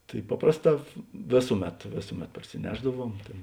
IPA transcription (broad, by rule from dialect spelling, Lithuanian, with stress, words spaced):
ˈtɐɪ ˈpɑːprɐsˌtɑː ˈʋʲeːsʊˌmʲɛt ˈʋʲeːsʊˌmʲɛt pɐrʲsʲɪˈnʲæːʒdɐˌʋuɔm ˈtʲeːn